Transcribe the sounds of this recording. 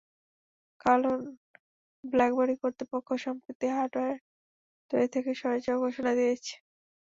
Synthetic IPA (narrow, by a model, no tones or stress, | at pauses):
kalon | blɛkboɾikoɾt̪ipokʰːoʃɔmpɾit̪ːiɦaʈaeɾ | t̪oet̪ʰekeʃɔɾed͡ʑoɡʱoʃonad̪ijet͡ɕʰe̥